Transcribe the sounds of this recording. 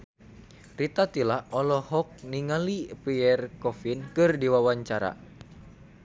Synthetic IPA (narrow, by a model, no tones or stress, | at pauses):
rit̪at̪ilaʔɔlɔhɔk̚niŋalipiɛrkɔfinkɨrdiwawaɲt͡ʃaɾa̰